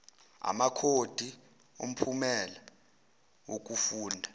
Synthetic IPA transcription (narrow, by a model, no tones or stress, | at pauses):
a̰makʰod̥ʱi | om̩pʰumɛla | wok̬ufuːndʱa